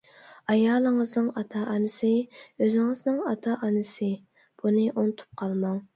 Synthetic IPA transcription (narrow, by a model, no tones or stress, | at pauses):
ɑjɑːlˠəŋəznɨŋɑt̪ʰɑʔɑnɨsɨøzɪŋəznɪŋɑt̪ʰɑʔɑnɨsɨ | b̥unɨʔont̪ʰu̥p̚qʰɑlˠmɑŋ